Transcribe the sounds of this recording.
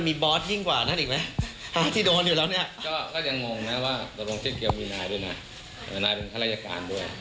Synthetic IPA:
nmiː˧bɔː˦˥t̪̚ji˥˩ŋkwaː˨˩na˥˩nʔiː˨˩k̚ma˦˥ha˥˩t̪ʰiː˥˩doː˧njuː˨˩lɛː˦˥wni˥˩ɐkɔː˥˩k̪ɔː˥˩ja˧ŋmɔː˧ŋna˦˥waː˥˩dɔ˧loː˧ŋt͡ɕʰi˥˩ki˧əwmiː˧naː˧jdu˥˩˨jma˦˥ | ʔɤː˨˩naː˧jpe˧nt̪ʰa˥ɾa˦˧˥ja˧ka̰ː˧ndu˥˩əj

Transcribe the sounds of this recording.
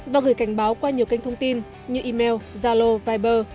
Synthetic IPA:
vaː˨˩ɣɨ˨˩əjka˧˩ŋ̟ɓaː˨˦wkwaː˧ɲi˨˩əwka˧jŋ̟t̪ʰə˧wŋ͡mt̪i˧n | ɲɨ˧ʔi˧mɛ˧wzaː˧lo˧vaː˧jɓəː˧

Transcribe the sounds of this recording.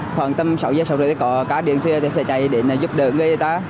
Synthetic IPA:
xwaː˧˨˩nt̪ə˧msa˨˧˩wzəː˧jsə˨˧˩wzɨ̰ː˧˨˩ə˨˦kɔ˨˩˦kaː˨˦ɗḭ˧˨ənt̪ʰi˧ə˧t̪ʰi˨˩sɛ˧˩t͡ɕa˨˩jɗe˨˩naː˨˩zu˦˥p̚ɗəː˧˨˩ŋɨ˧əjt̪aː˧

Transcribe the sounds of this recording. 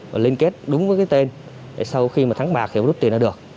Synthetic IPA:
vaː˨˩li˧nke˦˥t̚ɗʊ˨˦ŋ͡mvəː˨˦jkaː˨˦jt̪e˧n | a̰˨˩sa˧wxi˧maː˨˩t̪ʰa˨˦ŋɓaː˨˩k̪̚ʰi˨˧˨zu˦˥t̪̚i˨˩ənː˨˧˨ək̚

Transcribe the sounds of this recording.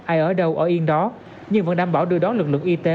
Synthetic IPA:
ʔaː˧jʔəː˧˩ɗə˧wʔəː˧˩ʔi˧ənɗɔ˨˦ | ɲɨ˧ŋvə̰˧˥nɗaː˧mɓaː˧˩wɗɨ˧əɗɔ˨˦nlɨ˨˩k̚lɨ̰˧˨ʔi˧t̪e˨˦

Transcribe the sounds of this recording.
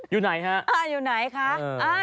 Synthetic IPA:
juː˨˩na˩˦jɦa˦˥ʔʔaː˧˩juː˨˩na˨˩˦jkʰa˦˥ʔːʔaː˧˩

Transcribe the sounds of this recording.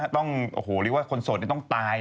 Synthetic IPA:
t̪ɔ˥˩ŋʔo̰ː˨˩hoː˨˩˦ɾɯː˦˥k̚waː˥˩kʰo˧nso˨˩t̪̚ni˥˩t̪ɔ˥˩ŋt̪aː˧j

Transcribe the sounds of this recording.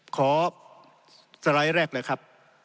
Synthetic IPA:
kʰɔː˩˦ | sa˧ɾa˦˥jɾɛː˥˩k̚lɤː˧jkʰɾa˦˥p̚

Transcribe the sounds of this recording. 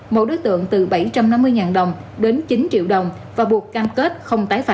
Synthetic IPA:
mo̰˧˨jɗo˨˦jt̪ɨ̰˧˨əŋt̪ɨ˨˩ɓa˧˩jt͡ɕa˧mna˧mːɨ˧əjŋaː˨˩nɗə˨˩wŋ͡mɗe˨˦nt͡ɕi˨˦nt͡ɕḭ˧əwɗə˨˩wŋ͡m | vaː˨˩ɓu˨˩əkːaː˧mke˦˥t̚xə˧wŋ͡mt̪aː˨˦jfaː˧

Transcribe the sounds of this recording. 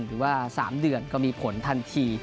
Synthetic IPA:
nɾɯː˩˦waː˥˩saː˩˦mdɯ˧ənkɔ˥˩miː˧pʰo˨˩˦nt̪ʰa˧nt̪ʰiː˧

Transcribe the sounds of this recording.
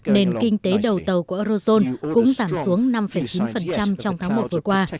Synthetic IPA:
ne˧nkï˧ŋ̟t̪e˨˦ɗə˨˩wt̪ə˨˩wku˧˩ʔə˧ɾo˧zo˧nkʊ̰˧˥ŋ͡mzaː˧˩msu˨˦əŋna˧mfə˧˩jt͡ɕi˨˦nfə˨˩nt͡ɕa˧mt͡ɕɔ˧wŋ͡mt̪ʰaː˨˦ŋmo˨˩t̚vɨ˨˩əkwaː˧

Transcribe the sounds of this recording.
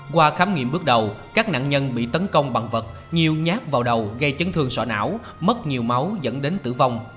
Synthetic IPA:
kwaː˧xaː˨˦mŋḭ˧˨əmɓɨ˦˥ək̚ɗə˨˩wkaː˦˥k̚na̰ː˧˨ŋɲə˧nɓḭ˧˨t̪ə˨˦nkə˧wŋ͡mɓa˨˩ŋvə˨˩t̚ | ɲi˨˩əwɲaː˦˥k̚vaː˨˩wɗə˨˩wɣə˧jt͡ɕə˨˦nt̪ʰɨ˧əŋsɔ̰˧˩na̰ː˧˥w | mə˦˥t̚ɲi˨˩əwma˨˦wzə̰˧˥nɗe˨˦nt̪ɨ̰˧˩va˧wŋ͡m

